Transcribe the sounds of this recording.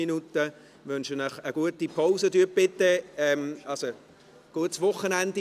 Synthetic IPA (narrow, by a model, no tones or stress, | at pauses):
inutə | ʋʏnʃənəχəɡ̥uətipʰaʊsədyːb̥ɪtːəɛmɑlso | ɡ̥uətsvʊχːənændi